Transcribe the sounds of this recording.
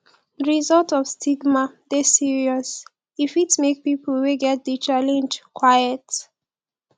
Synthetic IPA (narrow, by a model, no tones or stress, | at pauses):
ɹizɔltɔv̥stʰiɡmadesiɹiɔs | ifitmek̚pipl̩weɡɛt̚dət͡ʃalɛ̃nd͡ʒkʰwajət